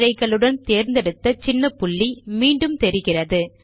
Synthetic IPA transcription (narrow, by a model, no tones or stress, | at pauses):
ɾɐɪɣɐɭɯɽɐnt̪eːɾnd̪ɛɽɯt̪ːɐt͡ʃɪnːɐpʊɭːimiːɳɖɯmt̪ɛɾɯɣɪrɐðɯ